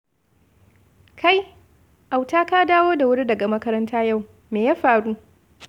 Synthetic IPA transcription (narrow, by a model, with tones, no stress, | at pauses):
kʰa˦˨j | ʔa˨wtaː˦kaː˦daː˦woː˦da˨wʊ˦ɽi˦dɐ˨ɡa˨mɐ˦kɐ˦ɾɐ˦ntʰaː˦ja˦˨w | meː˨jaː˦ɸaː˨ɽuː˦